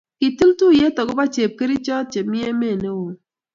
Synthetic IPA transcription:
ki˨ti˦ltu˦˨je˦tɔ˨ɡʊ˦ba˦t͡ʃe˨p̚ke˦ɾi˦t͡ʃɔ˦t̚t͡ʃe˨mɪ˦e˦me˦˨ne˦wo˨

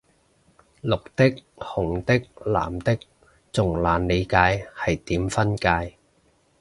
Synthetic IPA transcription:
lʊ˨k̚t̪ɪ˥k̚ | hʊ˨˩ŋt̪ɪ˥k̚la̰ː˨˩mt̪ɪ˥k̚ | t͡sʊ˨˩ŋlaː˨˧nle˨˧jkaː˨˧jhɐ˨jt̪iː˨˥mfɐ˥nkaː˧j

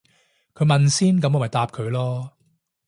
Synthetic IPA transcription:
kʰɵ˨˧ɥmɐ˨nsiː˥nkɐ˨˥mɔ˨˥˩mɐ˨˩jt̪aː˧p̚kʰɵ˨˧ɥlɔː˥

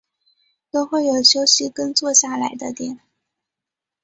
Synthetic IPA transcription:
t̪o˥ʊxwe˥˩ɪjo˨˩ʊɕjo˥ʊɕi˧˥kə˥nt͡swɔ˥˧ɕja˥˩la˧˥ɪd̪ə˧t̪jɛ˨˩˦n

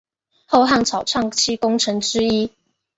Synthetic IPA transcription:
xo˥˧ʊɦa˥˩ŋt͡sʰɑ˨˩ʊʈ͡ʂʰɑ˥˨ŋt͡ɕʰi˥kʊ˥ŋʈ͡ʂʰɤ˨˧˥ŋʈ͡ʂɻ̩˥i˥

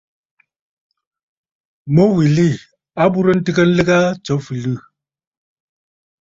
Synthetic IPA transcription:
mo˦wi˨li˦˨ | a˦bu˦ɾə˦n̩˦tɨ˦kə˦n̩˦lɨ˦ɡa˦t͡ʃɔ˨˦fi˨lɨ˦˨

